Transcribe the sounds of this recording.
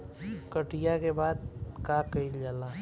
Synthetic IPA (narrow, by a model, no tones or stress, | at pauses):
kəʈijakebaːd̪kaːkəild͡ʒala